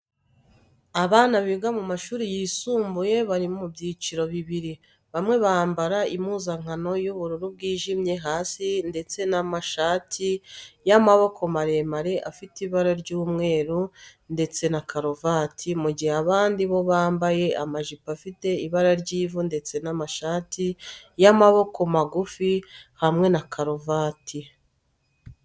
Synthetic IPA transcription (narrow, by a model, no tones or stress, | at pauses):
aβaːnaβiɡamumaʃuːɾijiːsuːmbuje̞βaɾimomubjiːt͡ʃiɾo̞βiβiɾi | βamŋe̞βaːmbaɾaimuzaŋ̥ano̞juβuɾuɾub̚ɡiːʒimje̞ɦaːsinde̞t͡se̞namaʃaːtʰijamaβo̞kʰo̞maɾe̞maɾe̞ʔafitiβaɾaɾɟuːmŋe̞ːɾunde̞t͡se̞nakʰaɾovatʰimuɟiheaβaːndiβo̞βaːmbaje̞ʔamaʒipafite̞iβaɾaɾɟiːvunde̞t͡se̞namaʃaːtijamaβo̞ko̞maɡufihamŋe̞nakʰaɾovaːtʰi